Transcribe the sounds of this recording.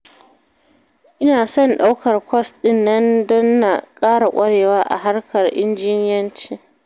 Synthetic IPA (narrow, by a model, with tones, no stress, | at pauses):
ʔɪ˦naː˨sɔ˦˨nɗa˦wkɐ˨rkʷɔ˦sɗɪ˦˨nːɐ˦ndɔ˦nːa˨kʼaː˦ɽa˨kʷʼɐ˦ɽeː˨waː˦ʔa̰˨ɦa˦rkʰɐ˨rʔɪ̰˦nd͡ʒɪː˦nɪ˦jɐ˦nt͡ʃeː˦